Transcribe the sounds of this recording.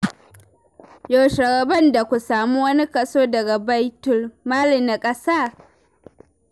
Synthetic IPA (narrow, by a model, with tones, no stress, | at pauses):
jo˨ʃɐ˨ɾɐ˨bɐ˦˨nda˨kʷu˨saː˨mu˦wɐ˦ni˦kʼɐ˨soː˦dɐ˨ɡa˨ba˦jtʊ˨lmaː˦li˨na˨kʼɐ˦saː˦˨